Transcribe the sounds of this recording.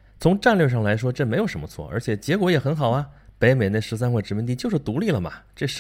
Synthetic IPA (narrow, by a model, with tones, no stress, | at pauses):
t͡sʰʊ˧˥ŋʈ͡ʂa˥˧nljɛ˥˧ʂɑ˥˩ŋla˧˥ɪʂwɔ˥ʈ͡ʂɤ˥˩me˧˥ɪjo˨˩ʊʂə˧˥mə˧t͡sʰwɔ̰˥˩ʔə̰˧˥t͡ɕʰjɛ˨˩t͡ɕjɛ˧˥kwɔ˧˥jɛ˨˩xə˧˥nxɑ˨˩ʊɐ˦pe˧˥ɪme˨˩ɪne˥˩ʂɻ̩˧˥s̬a˥nxwe˥˩ʈ͡ʂɻ̩˧˥˩mi˥nt̪i˥˧t͡ɕjo˥˧ʊʂɻ̩˥˩t̪u˧˥li˥˩lə˩mɐ̰˩ʈ͡ʂɤ˥˩ʂ